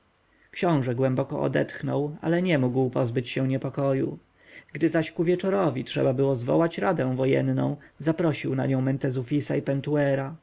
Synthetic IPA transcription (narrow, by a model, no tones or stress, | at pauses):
kɕɔ̃w̃ʐɛɡwɛmbɔkɔ̰ʔɔ̰d̪ɛ̰t̪xnɔwa̰lɛɲɛmuɡwpɔzbɘt͡ɕɕɛ̃ɲɛpɔkɔju | ɡd̪ɘzaɕkuvʲjɛt͡ʂɔɾɔvʲitʂɛ̰babɘwɔzvɔ̰wat͡ɕɾad̪ɛ̃w̃vɔjɛ̰nːɔ̰̃w̃zapɾɔɕiwna̰ɲɔ̃w̃mɛnt̪ɛzufʲisaipɛnt̪uɛɾa